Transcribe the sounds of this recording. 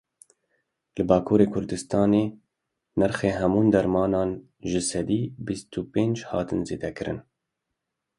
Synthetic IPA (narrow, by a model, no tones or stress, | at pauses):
lɨbɑːkʰuːɾeːkʰʊɾd̪ɨst̪ɑːneː | næɾxeːɦɛmuːnd̪ɛɾmɑːnɑːn | ʒɨsɛd̪iːbist̪upeːnd͡ʒhɑ̰ːt̪ɨnzḛːd̪ɛkɨɾɨ̰n